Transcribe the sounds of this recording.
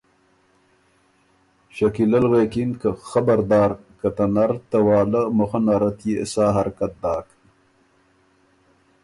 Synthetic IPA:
ɕakilɐlɣekinkəxabɐɾd̪ɑːɾkɐt̪ɐnaɾt̪ɐwɑːləmoxanaːɾat̪jesaːɦaɾkat̪̚d̪ɑːk

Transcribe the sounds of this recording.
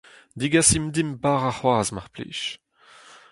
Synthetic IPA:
d̪iɡasimd̪imbaʁaχwaːzmaʁplḭːʃ

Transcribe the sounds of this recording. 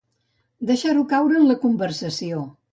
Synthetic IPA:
d̪əʃaɾukawɾəːnləkumbəɾsəsio

